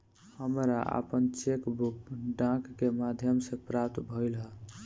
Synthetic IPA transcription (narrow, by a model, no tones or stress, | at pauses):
həmɾaʔə̰pənt͡ʃekbukɖãkːemad̪ʱjəmsẽpɾap̚t̪bʱəjlɦə